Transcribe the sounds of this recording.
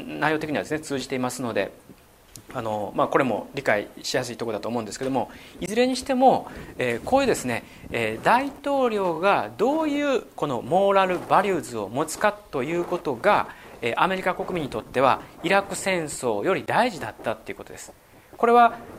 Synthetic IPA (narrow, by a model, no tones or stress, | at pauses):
naijot̪ekʲiɲiβad̪esɨnet͡sɨːʑit̪e̞imasɨno̞d̪e̞̰ | ano̞mako̞ɾe̞mo̞̰ɾʲikaiɕijasɨit̪oko̞d̪at̪oːmo̞ɯ̟̃nd̪esɨ̥ke̞d̪o̞mo̞izɨɾe̞ɲ̟iɕi̥t̪e̞mo̞eːko̞ːjɯ̟ːd̪e̞sɨne̞ | eːd̪ait̪o̞ːɾʲo̞ːɡad̪o̞ːjɯ̟ːko̞no̞mo̞ːɾaɾɯ̟baɾʲɯːzɨo̞̰mo̞t͡sɨ̥katt̪ːo̞jɯ̟ːko̞t̪o̞ɡaeːʔame̞ɾʲikako̞kɯ̟mʲĩɲ̟ːit̪o̞t̪ːe̞β̞a̰iɾakɯ̟̥sẽ̞ɰ̃so̞ːjo̞ɾʲid̪aiʑid̪at̪ːat̪ːe̞iɯ̟ko̞t̪o̞d̪e̞sɨ̥ | ko̞ɾe̞βa